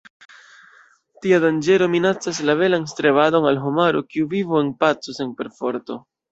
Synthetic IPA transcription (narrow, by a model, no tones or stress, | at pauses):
tiadand͡ʒe̞ɾo̞minat͡saslave̞lanstɾeβado̞nalɦomaɾokiuvivue̞npat͡sose̞npe̞ɾfo̞ɾto̞̰